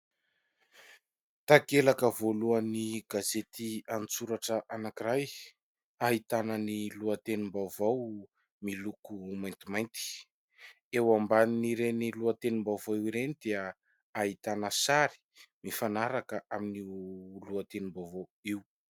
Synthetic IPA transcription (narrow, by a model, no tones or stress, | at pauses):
t̪akelakəvoluəniɡazet̪ianit͡suɾaʈ͡ʂəʔanakiɾaj | aɦit̪anəniluət̪enimbavaw | milukumajnt̪imajnt̪i̥ | ewambaniniɾeniluat̪enimbawvawiwiɾenid̪eə | aɦit̪anəsaɾi̥ | mifanaɾakəʔaminiluat̪enimbawvawiw